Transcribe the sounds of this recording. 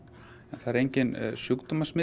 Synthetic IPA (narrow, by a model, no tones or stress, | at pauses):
ɛnθaðɛɾejɲcɪnsjʏkt̪umasmɪ